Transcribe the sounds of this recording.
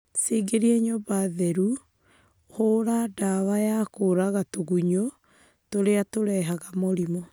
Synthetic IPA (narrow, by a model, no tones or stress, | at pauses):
seɡeɾieɲobaðɛɾu | hoɾadawajakoɾaɣatoɣuɲo | toɾeatoɾɛɦaɣamoɾimɔ